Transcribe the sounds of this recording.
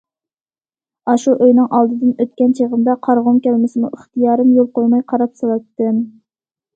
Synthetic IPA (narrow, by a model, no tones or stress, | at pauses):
ɑʃuʔøjnɪŋʔɑlˠd̪ɨd̪ɨnøt̪̚kʲɛnt͡ʃʰeʁəmd̪ɑqʰɑɾʁumkʲɛlmɪsɪmṵʔɪχt̪ijɑːɾɨmjolˠqojmɑjqʰɑɾɑpsolˠɑt̪ːɨn